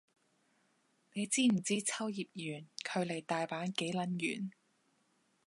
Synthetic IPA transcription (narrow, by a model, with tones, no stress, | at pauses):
ne˨˧jt͡siː˥m̩˨˩t͡siː˥t͡sʰɐ˥wjiː˨p̚jyː˨˩nkʰɵ˨˧ɥle˨˩jt̪aː˨jpaː˨˥nke˨˥jlɐ˨˥njy̰ː˨˩n